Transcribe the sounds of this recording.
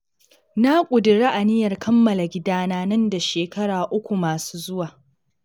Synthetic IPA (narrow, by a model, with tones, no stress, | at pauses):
na˦kʷʼʊ˨dɪ˨ɽaː˦ʔa˨nɪ˦jɐ˨rkɐ˦mːɐ˨la˨ɡʲɪ˦daː˦naː˦nɐ˦nda˨ʃeː˨kɐ˦ɽaː˨ʔʊ˦kʷu˨maː˨su̥ː˦zʊ˦waː˨